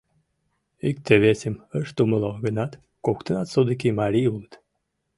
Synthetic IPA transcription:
ik̚t̪eβesʲəməʃt̪uməlˠoɣənɑt̪ | kokt̪ənɑt̪sod̪ək̬imɑɾʲiulˠət̪

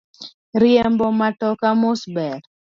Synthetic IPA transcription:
ɾɪɛmbɔmatɔkamʊsbɛɾ

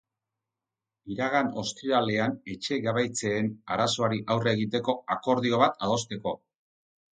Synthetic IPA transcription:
iɾaɣano̞st̪iɾale̞ane̞t͡ʃe̞ɣaβajt͡se̞ːnaɾaso̞aɾiʔawre̞ɣit̪e̞ko̞ako̞ɾðio̞β̞at̪aðo̞st̪e̞ko̞

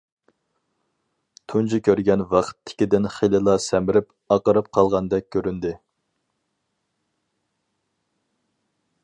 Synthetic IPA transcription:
t̪ʰunt͡ʃikʲʰøɾɡʲɛnvɑqʰt̪ʰːɪ̥kʲid̪ɪnχelɨlˠɑsɛmɪɾɪp | ɑqəɾɨp̚qʰɑlˠʁɑnd̪ɛk̚ʲʰːøɾynd̪ɪ

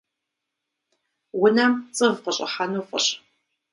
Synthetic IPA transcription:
wʊnɐmt͡sʼɨvqəɕʼɪ̰ħanuːfʼə̰ɕ

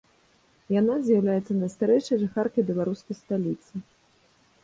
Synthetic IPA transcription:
janazʲjawlʲajɛt̪sːɐnɐst̪aɾɛjʂɐjʐaxarkɐjbʲɛlˠaɾuskɐjst̪alʲit̪sɨ

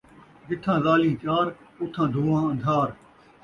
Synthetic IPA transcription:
d͡ʒɪt̪ʰãːzaːlĩːt͡ʃaːɾ | ʊt̪ʰãːd̪ʱuːʋãːə̃nd̪ʱaːɾ

